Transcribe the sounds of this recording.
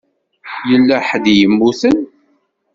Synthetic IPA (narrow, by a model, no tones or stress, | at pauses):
jəlːæħəd̪jəmːuθən